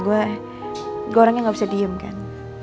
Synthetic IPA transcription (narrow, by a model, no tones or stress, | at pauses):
ɡua | ɡuaoɾaŋɲaŋɡabisadiəmka̰n